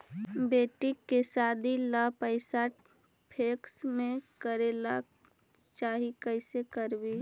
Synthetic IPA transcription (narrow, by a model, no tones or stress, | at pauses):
beːʈikːesaːd̪ʱilapəɪsapʰeksmẽkəɾela | t͡ʃaːɦikəɪsekəɾbi